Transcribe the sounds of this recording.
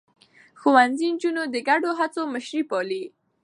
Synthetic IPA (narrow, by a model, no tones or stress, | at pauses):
xuwanzind͡ʒunod̪əɡaɖoɦat͡soməʃɾipɑli